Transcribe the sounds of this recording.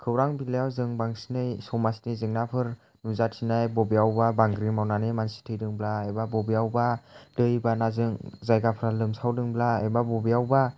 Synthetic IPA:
kʰɯwɾaŋbileawzɯŋbaŋsi̥nɯjsɔmasi̥nɯjzɯŋnapʰɯɾ | nuzatʰinajbɔbiawbabaŋɡɾimawnanɯmansi̥tʰɯjdɯŋblaebabɔbiawbad̥ɯjbanazɯŋzajɡapʰɾalɯmsawdɯŋblaebabɔbiawba

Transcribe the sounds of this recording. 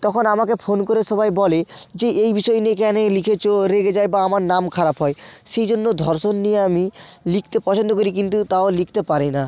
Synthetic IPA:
t̪ɔkʰonamakefʰonkoɾeʃɔbajbɔled͡ʑeʔejbiʃɔeniekɛnelikʰet͡ɕʰoɾeɡed͡ʑaebaamaɾnamkʰaɾapɦɔeʃejd͡ʑonːod̪ʱɔɾʃonːijeamilikʰt̪epɔt͡ɕʰond̪okoɾik̬int̪ut̪aolik̚ʰt̪epaɾina

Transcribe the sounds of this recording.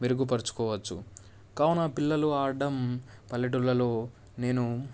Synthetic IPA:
meɾuɡupɐɾit͡ʃu̥kɔːʋɐt͡ʃːṵ | kɐːwnɐpilːɐluaːɾɖɐmpɐlːiʈ̬ulːɐlo̞ː | ne̞ːnu

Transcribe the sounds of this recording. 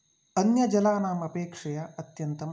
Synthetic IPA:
ɐnjɐd͡ʒɐlaːnaːmɐpeːkʂɐjaɐt̪jɐnt̪ɐm

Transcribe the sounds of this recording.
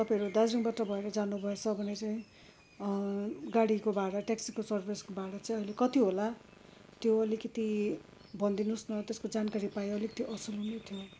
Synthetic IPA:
t̪ʌpãʌɾud̪asɾuŋbaʈʌbʱʌeɾʌd͡zanubʱʌet͡sʰʌbʱʌnet͡saĩ | ɡaɽikobaɽʌʈeksikosʌrbʱeskobaɽʌt͡saĩʌilekʌt̪iɦola | t̪joʌlikʌt̪i | bʱʌnd̪inusnʌt̪eskod͡zankaɾipajeʌlikʌ̥t̪iʔʌsulɦunet̪ʰjo

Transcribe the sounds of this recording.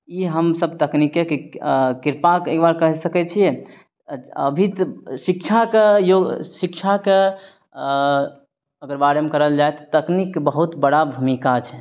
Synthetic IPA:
iɦəmsəbt̪əknikekikiɾpakekbaɾkəɦɛsəkɛt͡ʃʰije | əbʱit̪sikt͡ʃʰakejoɡsikt͡ʃʰake | əɡəɾbaɾemekəɾəld͡ʒaet̪ɔ̥t̪əknikːbəɦut̪bəɽabʱumikat͡ʃʰɛ

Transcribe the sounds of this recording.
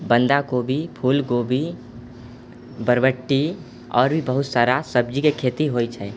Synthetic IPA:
bə̃nd̪akobʱipʰuːlɡobʱi | bəɾʋəʈːi | ɔ̰ːɾbʱibəɦʊt̪saːɾasəb̚d͡ʒikekʰeːt̪iɦoːit͡ʃʰɛː

